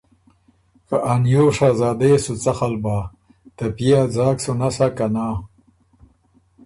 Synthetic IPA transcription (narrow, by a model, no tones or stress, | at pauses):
kaʔanjoːʂaːzaːd̪esut͡saxalbaː | t̪apijad͡zaːksunasakanaː